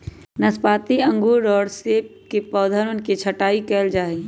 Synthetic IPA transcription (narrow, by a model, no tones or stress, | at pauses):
nəspaːt̪iɐ̃ŋɡuːɾɔːɾseːp̚kepɔːd̪ʱəɾʊnkit͡ʃʰəʈaːikɛːld͡ʒaːe